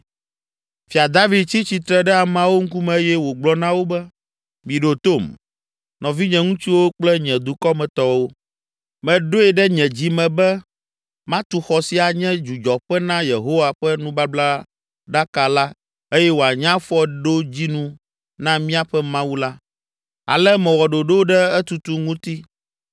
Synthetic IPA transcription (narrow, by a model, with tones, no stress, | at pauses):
fi˨a˨d̪a˦vi˨dt͡ɕi˦t͡ɕi˨t̪ɾɛ˦ɖɛ˦a˨mã˦wo˦ŋ̩˦ku˦mɛ̃˨˦jɛ˦wo˨ɡ͡blɔ˦nã˦wo˦bɛ˦ | mĩ˨ɖo˨t̪o˦˨m | nɔ̃˨vi˦ɲɛ̃˨ŋũ˦t͡ɕi˦wo˦k͡plɛ˦ɲɛ̃˨d̪u˨kɔ˦mɛ̃˨t̪ɔ˦wo˦ | mɛ̃˨ɖo˦ɛ˨ɖɛ˦ɲɛ̃˨d͡ʑi˦mɛ̃˨bɛ˦ | mã˦t̪u˨xɔ˨si˦a˨ɲɛ̃˦d͡ʒu˨d͡ʒɔ˨ɸɛ˦nã˦je˨ɦo˦wa˨ɸɛ˦nũ˦ba˦bla˦ | ɖa˦ka˨la˦ | e˦jɛ˦wo˨a˨ɲã˦fɔ˦ɖo˦d͡ʑi˦nũ˦ | nã˦mĩ˦a˨ɸɛ˦mã˦wu˦la˦ | a̰˨lɛ˦mɛ̃˨wɔ˨ɖo˨ɖo˦wo˦ɖɛ˦ɛ˦t̪u˨t̪u˦ŋũ˦t̪i˦